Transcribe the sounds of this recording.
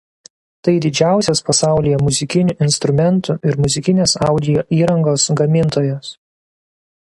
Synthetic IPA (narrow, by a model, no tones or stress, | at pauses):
t̪ɐɪd̪ʲɪd͡ʒʲæˑʊsʲoːspɐsɑˑʊlʲɪjɛmʊzʲɪkʲɪnʲʊʔɪnst̪ɾʊmʲɛnˑt̪ʊʔɪɾmʊzʲɪkʲɪnʲeːsɑˑʊd̪ʲɪjoːʔiːɾɐŋɡoːsɡɐmʲɪnˑt̪oːjoːs